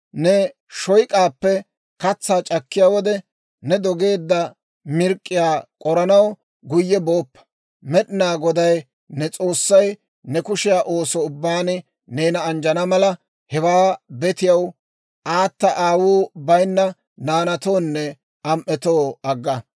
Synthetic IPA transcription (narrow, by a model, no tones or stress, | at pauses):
nɛ | ʃɔjkʼaːpːɛ | kɐt͡sːaːt͡ʃʼɐkːɪjaːwɔd̪ɛ | nɛd̪ɔɡe̞ːd̪ːɐ | mɪɾkʼːɪjaːkʼɔɾɐnɐw | ɡʊjːɛbo̞ːpːɐ̥ | mɛɗɪnaːɡɔd̪ɐj | nɛt͡sʼo̞ːsːɐj | nɛkʊʃɪjaːʔo̞ːsɔʊbːaːnɪ | neːnɐːnd͡ʒɐnɐmɐlɐ | hɛwaːbɛt̪ɪjɐw | ʔaːt̪ːɐʔaːwuːbɐjnːɐ | naːnɐt̪o̞ːnːɛ | ɐmʔɛt̪o̞ːɐɡːɐ